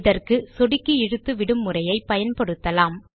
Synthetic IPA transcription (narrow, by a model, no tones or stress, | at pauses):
ðɐrkɯsɔɽɪkːɯɪɻɯt̪ːɯʋɪɽɯmːɯrɐjɐɪpːɐjɐnpɐɽɯt̪ːɐlaːm